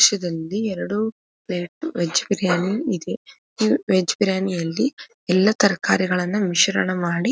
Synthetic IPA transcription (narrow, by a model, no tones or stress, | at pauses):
ʃɐd̪ɐlːiɛɾɐɽu | pleːʈʋed͡ʒbiɾjaːniːd̪e̞ | iːʋed͡ʒbɾjaːnijɐlːi | ɛlːɐt̪ɐɾɐkaːɾiɡɐɭɐnːumiʃɐɾɐɳɐmaːɽi